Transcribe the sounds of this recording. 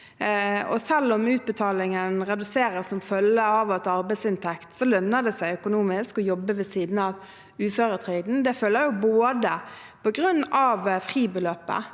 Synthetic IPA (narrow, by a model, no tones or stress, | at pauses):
ɔ̰sɛlːɔmʉːt̪̚bət̪ʰɑːlɪŋənʁɛd̪ʉseːɾəsɔmfœlːəɑʋɑt̪ɑɾbæɪt̪sɪnt̪ʰɛkt̪sɔlœnːəd̪ɛsæɪœkʊnuːmɪskɔjɔbːəʋɛsiːd̪n̩ɑʋ | ʉːføːɾət̪ʰʁœɪd̪n̩d̪ɛfølːəjʊboːd̪ə | pʰɔɡʁʉnːɑʋfʁiːbəløːpə̰